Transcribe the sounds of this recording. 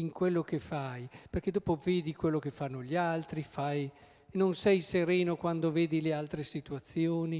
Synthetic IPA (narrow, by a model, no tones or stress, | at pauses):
iŋkwelːokefajperked̪oːpoveːd̪ikwelːokefːanːoʎialt̪ɾifaj | nonsɛjseɾeːnokwand̪oveːd̪ilealt̪ɾesit̪uat̪sːjoːni